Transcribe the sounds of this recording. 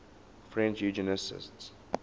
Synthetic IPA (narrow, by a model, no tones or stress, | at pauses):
fɹɛ̃nt͡ʃjud͡ʒənəsɪ̰sts